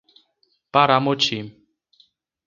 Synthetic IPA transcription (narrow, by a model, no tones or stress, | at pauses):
paɾamot͡ʃim